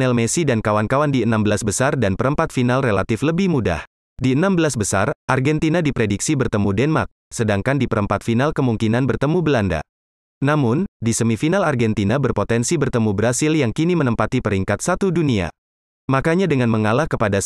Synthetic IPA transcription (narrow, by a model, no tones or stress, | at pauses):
nɛlmesidankawankawandiənambəlasbəsardanpəɾəmpat̪finalrela̰t̪ɪfləbɪhmuda̰h | diənambəlasbəsa̰rʔarɡɛnt̪inadipɾediksibərt̪əmudɛnma̰rk̚sədaŋkandipəɾəmpat̪̚finalkəmuŋkinanbərt̪əmubəlanda̰ | namʊndisəmifinalarɡɛnt̪inabərpot̪ɛnsibərt̪əmubəɾasɪljaŋkinimənəmpat̪ipəɾiŋkat̪̚sat̪udunia̰ | makaɲadəŋanməŋalahkəpada